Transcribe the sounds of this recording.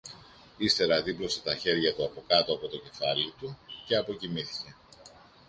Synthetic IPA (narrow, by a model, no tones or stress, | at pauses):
ist̪e̞ɾɐðiplo̞se̞t̪ɐçe̞ɾʝɐt̪uɐpo̞kɐt̪o̞ɐpo̞t̪o̞ce̞fɐlit̪uce̞ɐpo̞cimiθi̥ce̞